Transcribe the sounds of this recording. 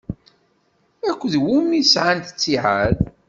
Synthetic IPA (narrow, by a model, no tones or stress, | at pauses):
ækʷːðwumisʕant̪ə̥t͡sːiʕaɾ